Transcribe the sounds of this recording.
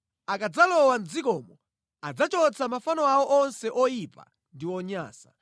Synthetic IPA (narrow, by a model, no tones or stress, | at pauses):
akad͡zalɔwanzikɔːmɔ | ad͡zat͡ʃɔt͡sʰamafanɔawɔʔɔnsɛʔɔjipa̰ | ndiwɔɲa̰ːsḁ